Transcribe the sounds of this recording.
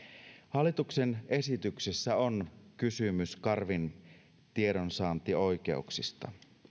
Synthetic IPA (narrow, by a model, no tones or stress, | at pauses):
hɑlːˑit̪uksene̞sit̪yksisːæonkysymyskɑrʋin | t̪ieɾonsɑːnt̪io̞jk̟e̞̰uksist̪ɑ̰